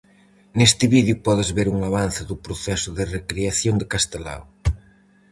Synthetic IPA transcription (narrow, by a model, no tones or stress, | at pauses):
nest̪ɪβiðjupɔðɪzβeɾuŋaβan̟θɪðʊpɾoθɛsʊðɪrekɾeaθjoŋd̪ɪkast̪ela̰w